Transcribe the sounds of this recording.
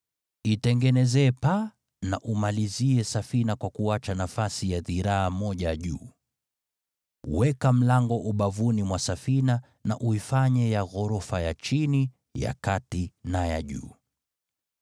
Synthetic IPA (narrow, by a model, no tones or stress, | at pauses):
itɛŋɡɛnɛzɛːpa | na̰ʔumaliziɛsafinakwakuat͡ʃanafasijaðiɾaamɔʄaʄṵː | wɛkam̩laŋɡɔʔuɓavunimwasafina | na̰ʔuifaɲɛjaɣɔɾɔfajat͡ʃini | ja̰katinaja̰ʄṵː